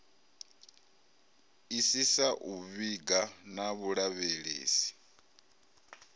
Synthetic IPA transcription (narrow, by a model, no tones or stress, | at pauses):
isisaʔuβiɡanaβuɺaβeɺḛːsi̥